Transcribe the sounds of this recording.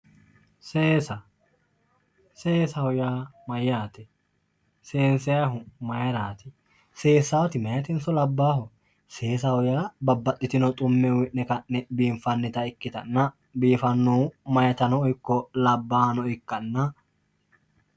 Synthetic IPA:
seːsɐ | seːsɐhɔjaːmɐjaːt̪ɪ | seːnsɛjɐɦʊmɐjɾaːt̪ɪ | se̞ːsːɐwɔt̪ɪmɐjɐt̪ɪnsɔlɐbːaːɦʊ | seːsɐhɔjaːbɐbːɐt̪ʼːɪt̪ɪnɔt̪ʼʊmːɛwɪʔnɛkɐʔːɛbiːɱfɐnːɪt̪ɐɪkːɪt̪ɐnːɐ | biːfɐnːomɐjɐt̪ɐnɔɔjkːɔlɐbːaːnɔɪkːɐnːɐ

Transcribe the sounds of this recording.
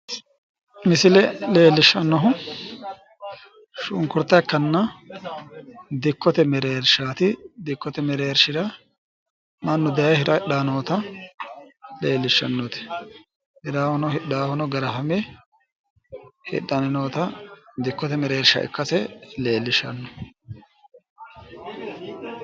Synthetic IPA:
mɪsɪlɛleːlːɪʃːɐnːɔɦʊ | ʃʊŋkʊɾt̪ːɐkːɐnːɐ | d̪ɪkːɔt̪ɛmɛɾeːɾʃaːt̪ɪd̪ɪkːɔt̪ɛmɛɾeːɾʃɪd̪ɐ | mɐnːʊd̪ɛjɐjhɪɾɐɪɗaːnoːt̪ɐ | leːlːɪʃːɐ̰nːɔt̪ɛ̥ | hɪɾaːhɔnɔhɪɗaːhɔnɔɡɐɾɐɦɐmɛ | hɪ̰ɗːɐnɛnoːt̪ɐd̪ɪkːɔt̪ɛmɛɾeːɾʃɐ̰ʔɪ̰kːɐsɛleːlːɪʃɐ̰nːɔ

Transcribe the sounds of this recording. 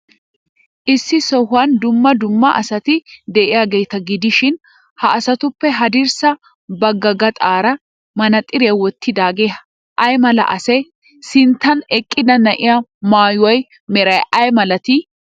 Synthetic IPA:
ʔɪsːɪsɔhʊɐnd̪ʊmːɐd̪ʊmːɐʔɐsɐt̪ɪd̪ɛʔɪjaːɡejt̪ɐɡɪd̪ɪʃɪn | hɐʔːsɐt̪ʊpːɛɦɐd̪ɪɾsɐ | bɐɡːɐɡɐt̪ʼaːɾɐ | mɐnɐt̪ʼːɪɾɛwɔt̪ːɪd̪aːɡeː | ʔɐjmɐlɐ̰ʔɐsɛ | sɪnt̪ːɐnɛkʼːɪd̪ɐnɐʔɪjamaːjwɐj | mɛɾɐjʔɐjmɐlɐt̪ɪ

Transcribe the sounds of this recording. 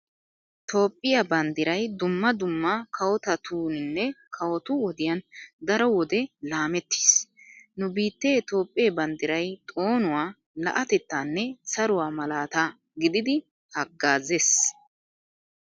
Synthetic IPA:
t̪ʰo̞ːpʼːɪjɐbɐnd̪ɪɾɐjd̪ʊmːɐd̪ʊmːɐkʰɐwɔt̪ɐt̪ʰuːnɪnːɛkʰɐwɔt̪ʊwɔd̪ɪjɐnd̪ɐɾɔwɔd̪ɛlaːmɛt̪ːi̥ːsnʊbiːt̪ːeːt̪o̞ːpʼːɪjebɐnd̪ɪɾɐjt̪ʼo̞ːnʊwaː | lɐ̰ʔɐt̪ɛt̪ːaːnːɛsɐɾʊwaːmɐlaːt̪aː | ɡɪd̪ɪd̪ɪ | hɐɡːaːzes

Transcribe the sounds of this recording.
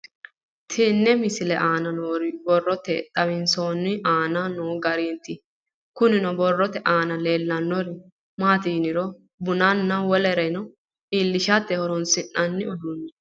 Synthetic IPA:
t̪ʰinːɛmɪsɪlɛʔaːnɐnoːɾɪbɔrːɔt̪ːɛt̪ʼɐβɪnsoːnːɪʔaːnɐnoːɡɐɾiːnt̪ɪ | kʊnɪnɔbɔrːɔt̪ɛʔaːnɐleːlːɐnːɔɾɪ | maːt̪iːnɪɾɔ | bʊnɐnːɐwɔlɛɾɛnɔ | iːlːɪʃat̪ːɛhɔɾɔnsɪnːɐnːɪɔd̪ʊnːɛ

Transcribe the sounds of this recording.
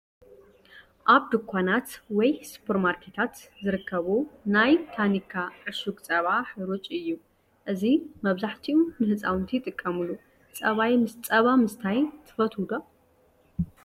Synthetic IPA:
ʔaβd̪ɨkʰʷːanat̪wɔjsu̥pʰeɾmaɾkʰe̞t̪ʰat̪zɨɾɨkʰːɐβunajt̪ʰanikʰːaʔɨʃuɡt͡sʼɐβaħɨɾut͡ʃʼɨjːu | ʔɨzimɐβzaħt̪ʰiunɨhɨt͡sʼawnt̪ʰijt̪ʼɨkʼːɐmulːu | t͡sʼɐβajmɨst͡sʼɐβamɨst̪ʰajt̪ʰɨ̥fɐt̪ʰud̪o

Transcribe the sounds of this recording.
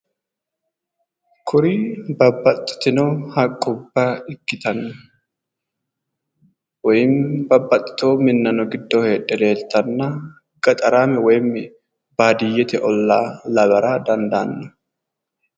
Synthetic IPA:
kʰʊɾibɐbːɐt̪ʼːɪ̥t̪ɪnɔhɐkʼːʊbːɐɪkːɪt̪ɐnːɐ | wɔjɪmbɐbːɐt̪ʼːɪ̥t̪oːmɪnːɐnɔɡɪd̪ːɔhe̞ːᶑːɛd̪e̞ːlt̪ːɐnːɐ | ɡ̥ɐt̪ʼɐɾaːmɛwɔjmːɛ | baːd̪ɪjːɛt̪ɛʔɔlːaːlɐɡɐɾaːd̪ɐnd̪anːɔ

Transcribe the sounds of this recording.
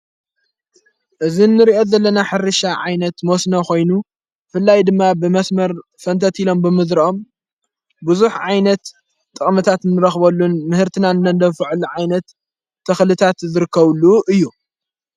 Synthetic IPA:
ʔɨzinːɨɾiʔo̞zɐlːɐnaħɨɾɨʃaʕajnɐt̪mosnoko̞jnu | fɨlːajd̪ɨmːabɨmɐsmɐɾfɐnt̪ʰɐt̪ilo̞mbɨmɨzɾiʔo̞m | buzuħʕajnɐt̪ːʼ | ɨχʼmɐt̪ʰat̪nːɨɾɐxbɐlːunmɨhɨɾt̪ʰɨnanɨnɐnd̪ɐfɨʕɨlʕajnɐt̪ʰː | ɐxlɨt̪ʰat̪zɨɾɨkʰːɐβluʔɨjːu

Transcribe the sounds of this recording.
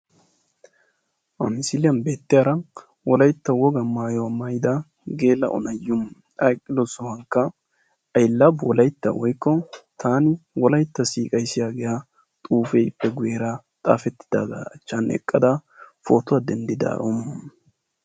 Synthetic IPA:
ʔɐ̰mɪsɪlɪjɐnbe̞ːt̪ːɪjaɾɐ | wɔlɐjt̪ːɐwɔɡɐmaːjɔwɐmajɪd̪ɐ | ɡe̞ːlːɐ̰ʔɔ̰nɐjːʊm | ɐjkʼːɪlɔsɔhɐŋkːɐ | ʔɐjlːɐbwɔlɐjt̪ːɐ̰wɔjkːɔt̪ʰaːnɪwɔlɐjt̪ːɐsiːkʼɐjsɪjaːɡɛja | t̪ʼuːfeːɪpːɛɡʊjeɾɐ | t̪ʼa̰ːfɛt̪ːɪ̥d̪̥a̰ːɡ̪ɐɐt͡ʃːɐnɛ̰kʼːɐd̪ɐfoːt̪ʊwad̪ɛnd̪ɪd̪a̰ːɾom

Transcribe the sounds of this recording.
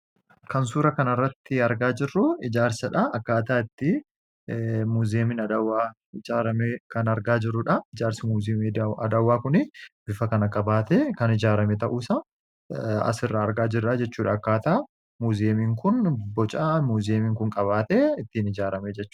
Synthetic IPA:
kɐns̬uːɾɐkɐnɐrːɐt̪ːɪɐɾɡaːd͡ʒɪrːʊɪd͡ʒaːɾsɐᶑɐɐkːaːt̪aːɪt̪ːɪ | muːzeːmɪnɐd̪ɐwːaː | ɪd͡ʒaːɾɐmekɐnɐɾɡaːd͡ʒɪrːʊᶑɐɪd͡ʒaːɾsɪmuːzɐ̰d̪ɐwːaːkʊnɪb̥ɪfɐkɐnɐkʼɐbaːt̪eːkɐnɪd͡ʒaːɾɐmɛt̪ɐʔuːsɐ | ɐ̰sɪrːɐːɾɡaːd͡ʒɪrːɐd͡ʒɛt͡ʃːuːᶑɐːkːaːt̪aː | muːzeːmiːŋkʊnbɔt͡ʃʼamuːzeːmiːŋkʊŋkʼɐβaːt̪eːɪt̪ːinɪd͡ʒaːɾɐmeːd͡ʒɛt͡ʃːuːʔ

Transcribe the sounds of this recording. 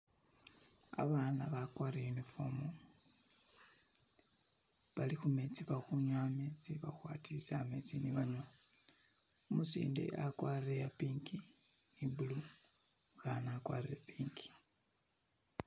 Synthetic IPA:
a̰βanaβakwaɾejunifo̰mu | βalixumet͡siβaxuɲwamet͡siβaxwatʰiseamet͡siniβaɲwa | umusḭːndḛʔakwarejapiːŋkiibulu | xanakwa̰ɾeapiːŋki̥

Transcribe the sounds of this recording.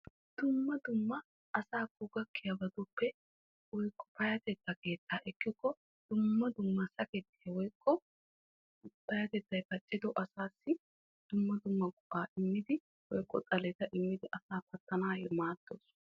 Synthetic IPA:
d̪̥ʊmːɐd̪ʊmːɐ | ɐsaːkːʊɡɐkːɪjɐbɐd̪ʊpːɛ | wɔjkʼːɔ̥pɐjɐt̪ɛt̪ːɐke̞ːt̪ːaːʔɛkːɪkːɔ | d̪̥ʊmːɐd̪ʊmːɐsɐkɛt̪ːɪɐwɔjkʰʼːɔ | pɐjɐt̪ɛt̪ːɐjpɐt͡ʃʼːɪd̪ɔʔɐsaːsːɪ | d̪̥ʊmːɐd̪ʊmːɐɡʼʊʔaːʔɪmːɪd̪ɪ | wɔjkʼːɔt͡sʼɐlɛt̪ɐʔɪmːɪd̪ɪʔɐsaːpɐt̪ːɐnaːjɛmaːt̪ːoːs

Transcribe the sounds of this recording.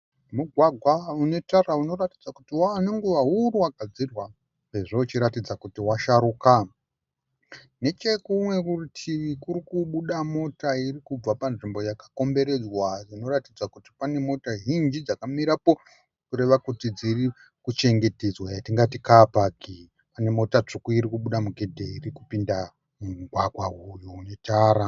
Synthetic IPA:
muɡʱwaɡʱwaune̞tarauno̞ratid͡zakutiwaːneŋɡuʋaɦuruwaɡ̥ʱad͡zirwa | seʐout͡ʃiɾatid͡zakutiwaʃaɾuːka | ne̞t͡ʃe̞kumwe̞kuritʰiʋikuɾikuɓuɗamo̞tairikub͡vapanʐimbo̞jakḁko̞mbe̞ɾe̞d͡zwaʐino̞ratid͡zakuti̥pane̞mo̞taɦind͡ʒid͡zakamiɾapo̞ | kuɾe̞ʋakutid͡ziri | kut͡ʃe̞ŋɡe̞tezwajatiŋɡatikapaki | pane̞mo̞tat͡ʂokuiɾikuɓuɗamuɡʱe̞dʱeirikupinda | muɡʱwaɡʱwaɦujunetaːɾa

